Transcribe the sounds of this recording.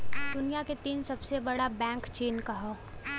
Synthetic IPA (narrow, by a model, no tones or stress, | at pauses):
d̪ʊnijaket̪iːnsɐbsebɐɽabɛ̃ːŋkt͡ʃeːnkaɦoː